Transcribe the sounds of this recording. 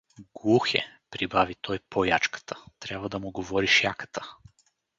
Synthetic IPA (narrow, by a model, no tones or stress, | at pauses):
ɡlˠuxɛ̰pɾibavit̪ʰɔjpʰojat͡ʃkə̥t̪ʰə̥t̪ɾʲjabvəd̪ɐmʊɡovɔɾiʃjakə̥t̪ʰə̥